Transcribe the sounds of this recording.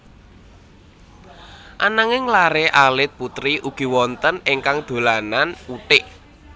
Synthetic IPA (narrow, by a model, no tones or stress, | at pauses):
ʔanaŋɪŋlaɾeʔalɪt̪̚put̪ɾiʔuɡ̥i̤wɔnt̪ənɪŋkaŋd̪̥o̤lananuʈɪʔ